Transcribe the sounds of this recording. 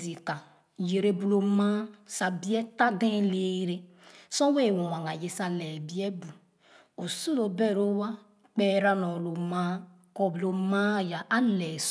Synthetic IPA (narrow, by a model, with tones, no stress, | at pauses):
i˨ka˨ | je˨ɾe˦bu˦lo˨mã˦sa˨bi˦ɛ˦ta˦dẽ˦le˦ɾe˦ | sɔ̃˦we˦˨wo˨wã˨ŋa˨je˨sa˨lɛ˨bi˦ɛ˦bu˨ | o˨su˦lo˨bɛ˦˨ɾo˦wa˦ | k͡pɛ˦ɾa˦nɔ˨lo˨mã˦ | kɔ˦blo˨mã˦ja˨ʔa˦lɛ˨s